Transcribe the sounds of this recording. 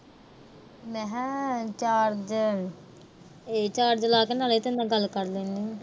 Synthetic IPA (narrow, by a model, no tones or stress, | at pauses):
mɛ̃ɦt͡ʃaːɾd͡ʒən | eːt͡ʃaːɾd͡ʒəlaːknaːleːt̪ɪ̃nd̪ãːɡəlːkəɾd̪eːniː